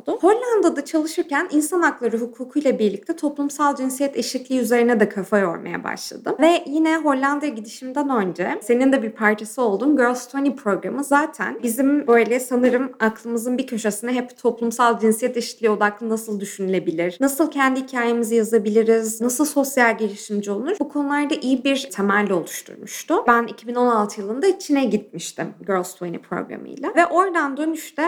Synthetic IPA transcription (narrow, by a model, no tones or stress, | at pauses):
d̪ʊho̞ɾlʲand̪ad̪at͡ʃʰalˠɯʃɯɾcæninsanaklˠaɾɯɦukʰuːkʰujlˠabiɾlʲict̪ʰɛt̪ʰo̞plˠumsalˠd͡ʒinsijɛt̪ʰeʃit̪lʲiːyze̞ɾinɛd̪ɛkʰafajo̞̰ɾma̰ja̰ba̰ʃlˠa̰d̪ɯmvɛjinɛɦo̞lʲːand̪jaɟid̪iʃimd̪ænø̞nd͡ʒɛse̞nind̪ɛbiɾpʰaɾt͡ʃʰasio̞lˠd̪uːnɟølˠst̪ʰonipʰɾo̞ɡɾamɯzaːt̪ʰæ̰nbizimbø̞jlʲɛsanɯɾɯmaklˠɯmɯzɯnbicʰoʃasɯnaɦɛpt̪ʰo̞plˠumsalˠd͡ʒinsijɛt̪iʃi̥t̪ʰlʲio̞d̪aklˠɯnasɯlˠd̪yʃynylʲe̞bilʲiɾ̥nasɯlˠcʰɛnd̪ihicʰaːjemizijazabilʲiɾiznasɯlˠso̞sjalʲɟelʲiʃimd͡ʒio̞lˠlˠuɾbukʰonulˠaɾd̪aʔijibiɾt̪ʰɛmællʲːio̞lˠuʃt̪ʰṵɾmuʃt̪ʊbænicʰibino̞nalˠt̪ʰɯjɯlˠɯnd̪ait͡ʃʰinɛɟit̪̚miʃt̪ʰimɟøɾlʲˠst̪ʰojnḭpʰɾo̰ɡɾa̰mɯ̰jlʲˠavɛʔo̞ɾd̪and̪ø̞nyʃt̪ɛ